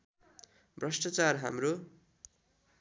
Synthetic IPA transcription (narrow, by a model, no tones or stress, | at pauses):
brʌsʈʌt͡sarɦa̰mro